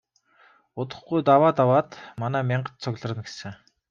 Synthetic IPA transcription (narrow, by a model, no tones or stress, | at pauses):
ʊt̪ə̆χɡujt̪awaːt̪awaːt̪manæːmʲɪɴɢə̆t̪̚t͡sʰʊɣɮə̆rə̆nɡesɘ̆